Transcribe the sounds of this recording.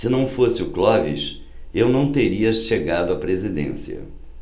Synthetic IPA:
sɪnɐ̃w̃fosɪʊklɔvḭʃ | ewnɐ̃w̃t̪eɾiɐʃeɡad̪ʊɐpɾezid̪ḛ̃siɐ̰

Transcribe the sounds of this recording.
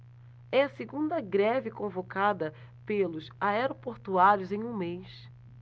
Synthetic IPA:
ɛɐseɡũnd̪ɐɡɾɛvɪkõvokad̪ɐ | pelʊsaɛɾopoɾt̪uaɾjʊzẽj̃ũmejs

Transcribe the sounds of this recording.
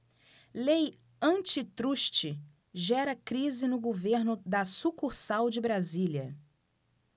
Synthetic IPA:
lej | ɐ̃t͡ʃɪt̪ɾuʃt͡ʃɪ | ʒɛɾɐkɾizɪnʊɡoveɾnʊd̪ɐsukuɾsawd͡ʒɪbɾazilɐ

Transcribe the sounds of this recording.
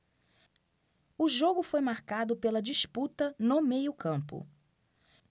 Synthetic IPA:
ʊʒoɡʊfojmaɾkad̪ʊpelɐd͡ʒisput̪ɐnʊmejʊkʰɐ̃pʊ̰

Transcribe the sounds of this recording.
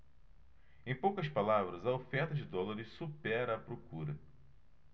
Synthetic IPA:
ẽj̃powkɐspalavɾɐzɐofẽɾt̪ɐd͡ʒɪd̪ɔlɐɾɪssupɛɾɐːpɾokuɾɐ

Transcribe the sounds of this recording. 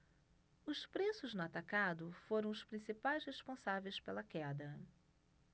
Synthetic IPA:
ʊspɾesʊznʊat̪akad̪ʊfoɾɐ̃w̃ʊspɾĩsipajshespõsavejspelɐkɛd̪ɐ

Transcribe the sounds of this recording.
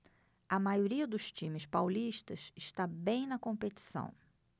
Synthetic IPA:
ɐmajoɾiɐd̪ʊst͡ʃĩmɪspawliʃt̪ɐsɪʃt̪abẽj̃nɐkõmpet͡ʃi̥sɐ̰̃w̃

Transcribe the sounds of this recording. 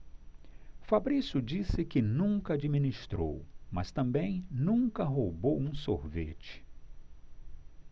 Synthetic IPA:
fabɾisʊd͡ʒisɪkɪnũkɐad͡ʒimĩnist̪ɾo̰wmɐst̪ɐ̃mbẽj̃nũŋkɐɦobowũsoɾvḛt͡ʃɪ̥

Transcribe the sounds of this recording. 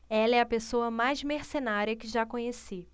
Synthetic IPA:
ɛlɐɛɐpesoɐmajzmeɾsenaɾiɐkɪʒakõɲesi

